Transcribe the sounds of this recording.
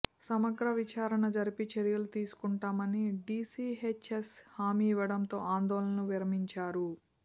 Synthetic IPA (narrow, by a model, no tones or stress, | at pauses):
sɐmɐɡɾɐʋit͡ʃaːɾɐɳɐd͡ʒɐɾipit͡ʃeɾijɐlut̪iːsu̥kuɳʈaːmɐniɖiːsiːɦet͡ʃeshaːmiːʋɐɽɐmt̪o̞ːaːnd̪ɔːlɐnɐʋiɾɐmiɲt͡ʃaːɾu